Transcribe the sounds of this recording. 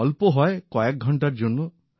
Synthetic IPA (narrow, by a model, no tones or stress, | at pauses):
ɔlpɔɦɔekɔek̚ɡʱɔɳʈaɾd͡ʒonu